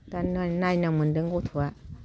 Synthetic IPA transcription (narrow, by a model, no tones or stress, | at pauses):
taanainaməndəŋɡot̪ʰua